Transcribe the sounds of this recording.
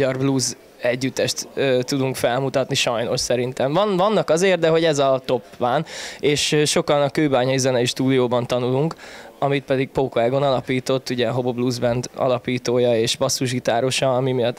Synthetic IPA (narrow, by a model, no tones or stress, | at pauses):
ɟɒrbluz | ɛɟːyt̪ːɛʃt̪øːt̪ud̪uŋkfɛlmut̪ɒt̪niʃɒjno̞ʃsɛɾint̪ɛɱvɒnvɒnːɒkɒzeːrd̪d̪ɛɦo̞ɟɛzɒt̪o̞pʋaːneːʃʃːo̞kɒnɒkøːbaːɲɒizɛnɛiʃt̪uːd̪ijoːbɒnt̪ɒnuluŋkɒmit̪̚pɛd̪iɡk̚pokɛːɡo̞nɒlɒpiːt̪o̞t̪ːuɟɛɦo̞bobluzbɛnd̪ɒ̰lɒpiːt̪oːjɒeːʃbɒsːuʒɡit̪aːɾo̞ʃɒɒmimijɒt̪ː